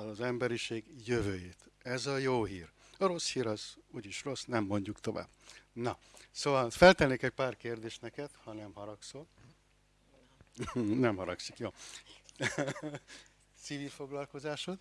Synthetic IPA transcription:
zɛmbɛɾiʃeːɡjø̞vøːjeːt̪ɛzɒjoːɦiːr | ɒɾo̞shiːɾɒzuɟiʃro̞snɛmːo̞ɲɟukt̪o̞va̰ːb̥nɒsoːvɒlfɛlt̪ɛnːekɛc̚paːrkeːrd̪eːʃt̪nɛkɛt̪hɒnɛmɦɒɾɒksoː | nɛmhɒɾɒksikjoː | siːvilfo̞ɡlɒlko̞zaːʃot̪

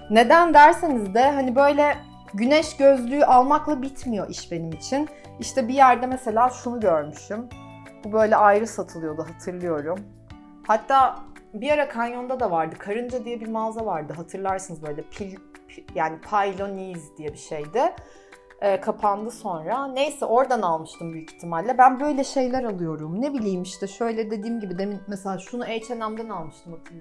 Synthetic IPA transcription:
ne̞d̪ænd̪æɾsenizd̪ɛɦanibø̞jlʲɛ | ɟynɛʃɟøzlʲyːyʔalˠmaklˠabit̪mijo̞ʔiʃbe̞nimit͡ʃʰin | iʃt̪ʰɛbijæɾd̪ɛmese̞lʲaːʃunuɟøɾmyʃym | bubø̞jlʲɛʔajɾɯsat̪ʰɯlˠɯjo̞d̪uɦat̪ʰɯɾlˠɯjo̞ɾum | hat̪ʰːaːbiaɾakʰanjo̞nd̪ad̪avaɾd̪ɯkʰaɾɯnd͡ʒad̪ijɛbiɾmazavaɾd̪ɯɦat̪ʰɯɾlˠaɾsɯnɯzbø̞jlʲɛpʰilʲpjaːnipʰajlʲo̞nizd̪ijɛbiʃe̞jd̪ɪ | ɛːkʰapʰand̪ɯso̞nɾane̞jsɛʔo̞ɾd̪analˠmɯʃt̪ʰɯmbyjict̪ʰːimalʲːɛbænbø̞jlʲɛʃe̞jlʲæɾalˠɯjo̞ɾumne̞bilʲijmiʃt̪ɛʃø̞jlʲɛd̪e̞d̪iːmɟibid̪eminmeselʲaːʃunuɛjt͡ʃʰenæmd̪ænalˠmɯʃt̪ʰɯmhat̪ʰɯɾˠ

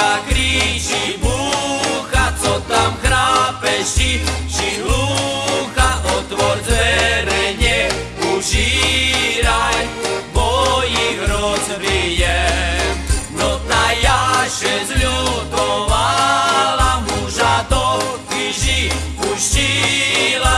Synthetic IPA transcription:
akɾiːʒibuːxat͡sɔt̪amkɾaːpɛʃit͡ʃiluxaʔɔt̪ʋɔɾzʋɛɾɛɲɛ | uʒi | ɾajbɔjiɣɾɔzʋijɛ | nɔt̪ajaʃɛzʎud̪ɔvalamuʒad̪ɔkiʒi | uʃila

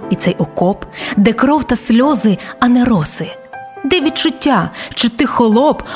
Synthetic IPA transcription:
it̪sɛjɔkɔpd̪ɛkɾɔwt̪ɐsʲlʲɔzɪɐnɛɾɔsɪ | d̪ɛʋʲid̪t͡ʃʊtʲːaʃt͡ʃɔt̪ɪxɔlˠɔb

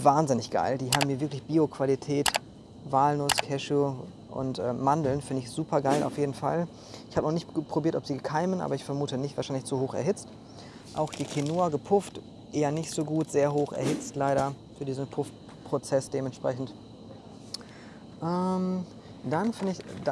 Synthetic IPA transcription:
vaːnzɪnɪçɡ̥a̰ɪldiːɦaːbm̩miːɐvɪɐklɪçb̥iːokv̥alitʰɛːt | vaːlnʊskʰɛʃə | ʔʊ̰ntʔɛːandl̩nfɪndəɪçz̥uːpʰɐɡaɪlʔa̰ʊfjeːdn̩fa̰l | ʔɪçhaːbənɔχnɪçtpʁ̥obiɐtɔpz̥iːɡəkʰaɪmənʔa̰ːbɐɪçfɛɐmuːtənɪçtv̥aːʃaɪnlɪçz̥uhoːxɛ̰ɐɦɪt͡st | ʔa̰ʊxd̥iːkʰinoːɐɡəpʰʊft | ʔeːɐnɪçtz̥oːɡuːtz̥eːɐɦoːxɛ̰ɐhɪt͡stlaɪɾɐfyːɐdiːzn̩pʰʊft | pʁ̥ot͡sɛsd̥eːmɛntʃpʁ̥ɛçn̩t | ʔɛm | d̥anfɪndəɪçd

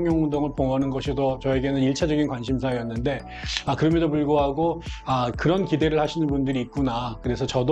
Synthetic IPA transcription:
ŋjʌŋundoŋɯɭpoŋʌnɯnɡʌɕʰidot͡ɕʌe̞ɡe̞nɯniɭt͡ɕʰad͡ʑʌɡinkwanɕ̬ʰims̬ʰaejʌnːɯnde̞ | akɯɾʌmjʌdopuɭɡoɦaɡoakɯɾʌnkide̞ɾɯɭhaɕʰinɯnbundɯɾiːt̚k͈unakɯɾe̞sʰʌt͡ɕʌd

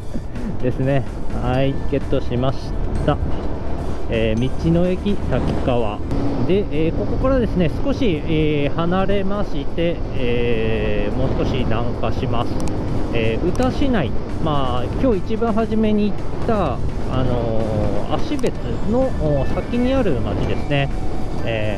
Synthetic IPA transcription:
d̪̥e̞sɨne̞ | haike̞t̪ːo̞ɕimaɕi̥tt̪a | eːmʲit͡ɕino̞e̞kʲit̪akʲi̥kaβa̰d̪e̞ʔeːko̞ko̞kaɾad̪e̞sɨne̞sɨ̥ko̞ɕieːhanaɾe̞maɕit̪e̞eː | mo̞ːsɨ̥ko̞ɕid̪ãŋkaɕimasɨ̥ | eːɯ̟t̪aɕinaimaːkʲo̞ːit͡ɕibãɰ̃ɦaʑime̞ɲ̟iːt̪ːaːno̞a̰ɕibe̞t͡sɨno̞ːsakʲiɲ̟iaɾɯ̟ma̰t͡ɕid̪e̞sɨne̞eː

